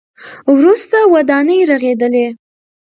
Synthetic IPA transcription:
wɾust̪awad̪ɑnəjɾaɣed̪əle

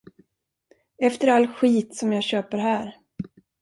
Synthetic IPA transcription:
ɛft̪əɾalːɧiːt̪sɔmjɑːɡɕøːpəɾɦæːɾ

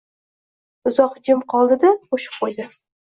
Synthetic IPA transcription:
ʊzɒqd͡ʒɪmqʰɒlˠd̪ɪd̪aqoʃɪ̥p̚qʰojd̪ɪ

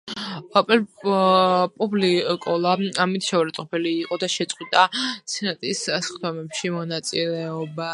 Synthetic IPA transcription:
apʼɛl | pʼublikʼɔlˠaamit̪ʰʃɛvaɾat̪ʼɔpʰɛliːqʼɔd̪aʃɛt̪sʼqʼwit̪ʼat̪sʰɛnat̪ʼisasχd̪ɔmɛpʃimɔnat̪sʼilɛɔba

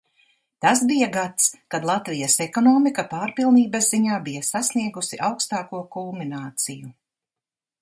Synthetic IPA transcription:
t̪asbijaɡat̪skad̪lˠat̪vijɐsɛkɔnɔːmikapaːɾpilˠniːbɐzziɲaːbijɐsasniɛɡusiʔawkst̪aːkuɔkulˠminaːt̪siju

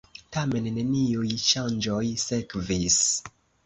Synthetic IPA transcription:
tame̞nːe̞niujʃand͡ʒojsekvis

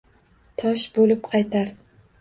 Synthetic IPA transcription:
t̪ʰɒʃbolɪpqʰɑjt̪ʰaɾ

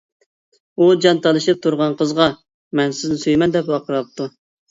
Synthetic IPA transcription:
ud͡ʒɑnt̪ʰɑlˠɨʃɨp̚t̪ʰuɾʁɑnqʰəzʁɑ | mɛnsɪznɪsyjmɛnd̪ɛpwɑqʰəɾɑp̚t̪ʰu

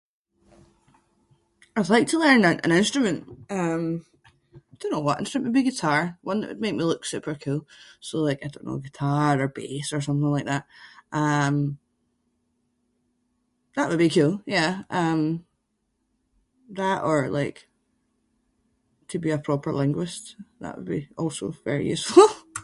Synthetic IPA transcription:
aɪdˡlˠaɪk̚tʰəlˠɜ̃˞nə̃nʔə̰̃nɪ̃nstɹ̥əmə̃nʔʌ̃m | aɪdõnːowʌʔɪ̃nstɹəmə̃nʔəbiɡɪtʰaɹwʌ̃nðə̰ʔwdmek̚milˠʉksʉpʰə˞kʰʉlˠsolˠaɪkaɪdõ̰nːo̰ɡɪtʰaɹə˞besə˞s̬ʌ̃mθɪ̃ŋlaɪk̚ðaʔ̚ʔʌ̃m | ðəʔwəd̚bikʰʉlˠjæʔʌ̃m | ðəʔə˞lˠa̰ɪk | tʰəbiəpʰɹ̥ɔpʰə˞lˠɪ̃ŋɡwɪʃðə̰ʔwə̰d̚biɔlˠso̰vɛ̰ɹḭjʉsfl̩ˠ

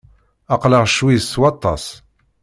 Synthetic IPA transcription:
ɑqləʁʃwiswɑt̪ˤːɑ̰s

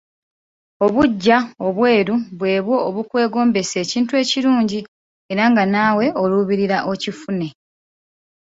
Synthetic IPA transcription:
o̞βuɟːao̞βwe̞ːɾuβwe̞ːβwo̞ːβukwe̞ːɡo̞ːmbe̞se̞ːciːntue̞ːciɾuːɲɟi | e̞ɾaŋɡanaːwe̞ʔo̞luβiɾiɾaʔo̞cifune̞

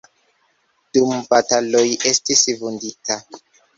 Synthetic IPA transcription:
d̥umbatalojʔe̞stisvundita

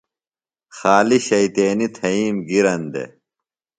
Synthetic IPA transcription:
xaːliɕɐjt̪eːnit̪ʰɐiːmɡiɾɐnd̪ḛ

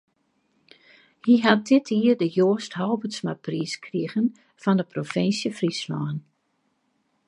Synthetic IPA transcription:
hiɦat̚dɪtʰiərdəjoːəsthɔwbəsmapriskʰriəɣən | fɔndəprofɪnsjəfrislɔːn

